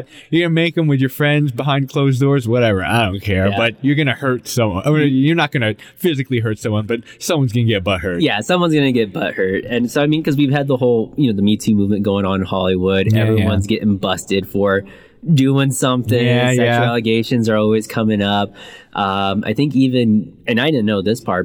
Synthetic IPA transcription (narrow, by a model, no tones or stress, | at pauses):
jəɡʌnɨmeɪkɨ̃mwɨðjə˞fɹɛ̃ndzbəɦãɪ̃nd̚kʰl̥oʊzdɔɹzwʌɾɛvə˞a̰ɪddõʊ̃nkʰɛɹbʌt͡ʃə˞ɡʌnɨhɜ˞tsʌ̃mwʌ̃nnjə˞nət̚ɡ̥ʌnɨfɪzɨkliɦɜ˞tsʌ̃mwʌ̃nbʌt̚sʌ̃mwʌ̃nzɡʌ̃nɨɡɛt̚b̥ʌt̚hɜ˞tjæsʌ̃mwʌ̃nzɡʌnɨɡɛt̚b̥ʌ̰t̚hɜ˞t̚ɨ̃nsoʊaɪmĩnkʰʌzwiv̥ɨd̪̚ðəhoʊlˠjɨnoʊðəmitʰimuvmɨ̃nɡ̥oʊɪ̃ŋə̃nhɑlˠiwʊɾɛ̰vɹiwʌ̃nzɡɛɾʔɪ̃ŋbʌstɨd̥fə˞ | dʉɪ̃ŋsʌ̃mθɪ̃jŋæjæælˠɨɡeɪʃɨ̃nzə˞ɔlˠwiz̥kʰʌmɪ̃ŋʌp̚ʔʌ̃mʔa̰ɪθɪ̃ŋkivɨ̃nɨ̃naɪɾɪdⁿn̩noʊðɪspʰɑ̰ɹt̚